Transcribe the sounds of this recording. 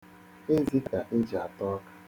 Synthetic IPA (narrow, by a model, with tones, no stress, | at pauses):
e˦zi˦ka˨ʔe˦d͡ʒa˨tɔ˦kḁ˦